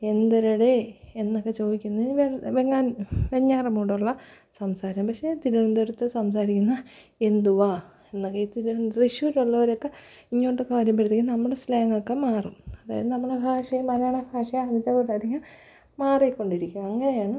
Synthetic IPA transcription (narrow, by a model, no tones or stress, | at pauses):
e̞nd̪ɐɾɐɽeenːokːe̞t͡ɕo̞ːðikʲːunːɐiniʋeʋeŋːaːnʋeɲːaːrɐmuːɽuɭːɐ | sɐmsaːɾɐmpɐkʂe̞t̪iɾuɳund̪oɾut̪ːɨsɐmsaːɾikʲːunːɐend̪uʋa | enːokːeiːt̪iɾuriʂjuːɾuɭːɐʋɐɾokːe | iɲːo̞ːʈːokːeʋɐɾɐmpeɽt̪eŋɡilnɐmːɐɽeslaːŋɡokːemaːrumɐðaːjɐðɨnɐmːɐɭebʱaːʂɐjɐmɐlaːɳɐbʱaːʂɐjaːd̪it͡ɕːapoʈːad̪iŋːɐ | maːrikːo̞ɳɖiɾikʲːumɐŋːɐne̞jaːɳɨ